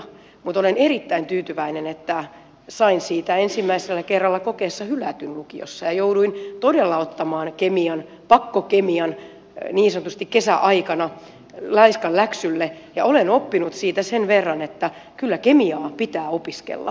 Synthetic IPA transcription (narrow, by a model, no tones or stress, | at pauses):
mut̪oleneɾit̪ːæint̪yːt̪yʋæinenet̪ːæ | sɑinsiːt̪æensimːæiselːækerːɑlːɑkokeːsːɑhylæt̪ynlukio̰sːɑjɑjouduint̪odelːɑot̪ːɑmɑːnkemiɑn | pɑkːokemiɑn | niːnsɑnot̪ust̪ikkesæʔɑikɑnɑ | lɑiskɑllæksylːejɑolenopːinut̪siːt̪æsenʋerːɑnet̪ːækylːækemiɑːpit̪æːopiskḛlːɑ̰